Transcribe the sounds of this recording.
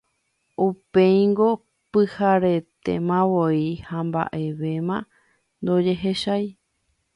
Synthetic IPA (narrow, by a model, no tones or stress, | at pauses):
upẽjŋɡo̞ | pɨhaɾe̞t̪e̞̰mãwoihamba̰ʔe̞ʋe̞mã | nd̪o̞d͡ʒe̞ɦe̞ʃaj